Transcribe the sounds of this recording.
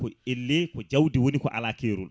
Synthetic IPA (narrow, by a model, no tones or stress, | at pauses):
kɔelːekɔd͡ʒawdiwonikɔ̰ʔa̰laːkeːɾul